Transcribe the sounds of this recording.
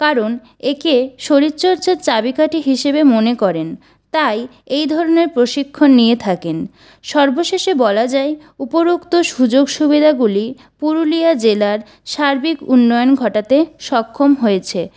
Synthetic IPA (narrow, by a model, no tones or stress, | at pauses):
kaɾon | ekeʃoɾit̪ːɕoɾt͡ɕet͡ɕabikaʈiɦiʃebemonekɔɾen | t̪aj | ejd̪ʱɔɾoneɾpɾoʃikʰːonːijet̪ʰaken | ʃɔɾboʃeʃebɔlad͡ʑae | upoɾukt̪oʃud͡ʑoɡʃubid̪ʱaɡuli | puɾuliad͡ʑelaɾ | ʃaɾbikunːɔjonɡʱɔʈat̪eʃɔkʰːomɦojet͡ɕʰe